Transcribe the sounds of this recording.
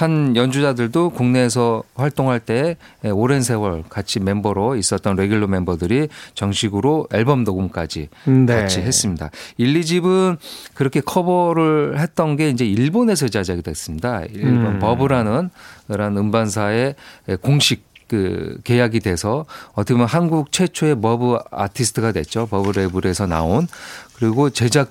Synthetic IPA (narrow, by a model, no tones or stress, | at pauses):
hanjʌnd͡ʑud͡ʑadɯɭdokuŋne̞ːs̬ʰʌɸwaɭt͈oŋɦaɭt͈e̞oɾe̞nsʰe̞wʌɭkat͡ɕʰime̞mbʌɾois͈ʌt͈̚ʌnɾe̞ɡuɭːome̞mbʌdɯɾit͡ɕʌŋɕʰiɡɯɾoeɭbʌmnoɡumk͈a̰d͡ʑḭnkat͡ɕʰiɦe̞s͈ɯmɲida̰iɭːid͡ʑibɯnkɯɾʌkʰe̞kʰʌbʌɾɯɭhe̞t̚t͈ʌnɡe̞ind͡ʑe̞iɭbone̞s̬ʰʌd͡ʑad͡ʑaɡidwe̞s͈ɯmɲidaibonpʌbɯɾanɯnkɯɾanɯmbans̬ʰae̞koŋɕʰik͈̚ːɯke̞jaɡidwe̞sʰʌʌtʰʌkʰemjʌnɦanɡuk̚t͡ɕʰwe̞t͡ɕʰoe̞mʌbɯa̰tʰisʰɯ̥tʰɯɡadwe̞̰t͡ɕ͈opʌbɯɾebuɾe̞sʰʌna̰onkɯɾiɡot͡ɕe̞d͡ʑa